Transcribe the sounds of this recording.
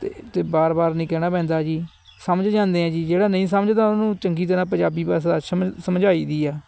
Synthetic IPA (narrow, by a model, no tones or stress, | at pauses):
t̪eːt̪eːbaːɾbaːɾnĩːkɛːɽaːpɛ̃ːnd̪aːd͡ʒiː | səməd͡ʒd͡ʒãːnd̪eːãːd͡ʒiːd͡ʒeːɽaːnə̃ĩːs̬əməd͡ʒt̪ãːʊnũːt͡ʃəŋɡiːt̪̬ənãːp̬əd͡ʒaːbiːpaːs̬d̪aːsəsəmd͡ʒaːiːd̪iːaː